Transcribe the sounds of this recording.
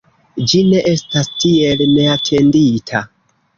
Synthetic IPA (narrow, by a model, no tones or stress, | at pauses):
d͡ʒine̞ʔe̞stastie̞lne̞atʰe̞nditʰa